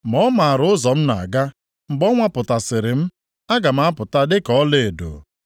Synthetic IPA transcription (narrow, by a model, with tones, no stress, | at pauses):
mɔ˦ma˨a˨ɾʊ˦ʊ˦zɔ˨m̩˦na̰˨ɡa˦ | m̩˨ɡ͡bɔ˦ŋʷa˦pʊ˨ta˨sɪ˨ɾɪ˨m̩˦ | a˦ɡa˨m̩˦a˦pʊ˨ta˦dɪ˦kɔ˦le˦˨do̰˨